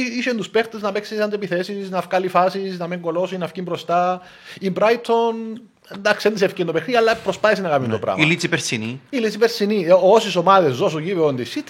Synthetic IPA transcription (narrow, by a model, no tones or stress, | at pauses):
iʃend̪uspeɾt̪eznɐpeksisɐnd̪epiθesisnɐfkɐlifɐsisnɐmeŋɡo̞lo̞sinɐfkimbɾost̪ɐ | imbɾajit̪ʰːon | end̪ɐksiend̪is̬efcind̪opexnid̪iɐlːɐpɾospɐθes̬inɐkɐmind̪opɾɐ̰milit͡sipeɾsiniilit͡sipeɾsiniosisomɐðezːosuʝiveond̪isit̪ʰː